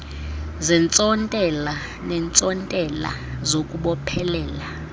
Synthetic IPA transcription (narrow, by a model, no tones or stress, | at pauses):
zɛnt͡sʼɔntʼɛla | nɛnt͡sʼɔntʼɛla̰ | zokʼuɓɔpʰɛlɛːla